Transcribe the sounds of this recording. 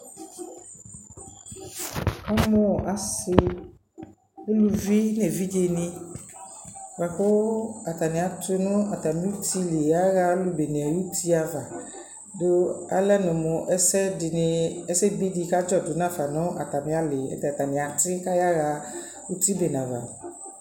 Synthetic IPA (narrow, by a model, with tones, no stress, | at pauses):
a˦mɔ̃˦˨ʔa˨sɪ˦ | e˦lu˨vi˦ne˨vi˦d͡ʒe˨nĩ˦ | va˨ɸʊ˦a˨t̪a˨nĩ˨a˨t̪e˦nʊ̃˦a˨t̪a˨mĩ˦u˦t̪i˦le˨ja˦ɣa˦lu˨be˨nẽ˨a˨ju˦t̪i˦a˨va˨ | do˦a̰˦lɛ˦nʊ̃˨mʊ̃˨ʔɛ˦sɛ˦˨n˨ɛ˦sɛ˦bi˦di˨ka˦d͡ʒɔ˦dʊ˨nã˦˨fa˨nʊ̃˦ʔa˨t̪a˨mĩ˨˦a˦lɪ˨ɛ̰˦t̪a˨t̪a˨nĩ˨a˨t̪ɪ˦ka˦ja˦ɣa˨ | u˦t̪i˦be˨nã˨va̰˨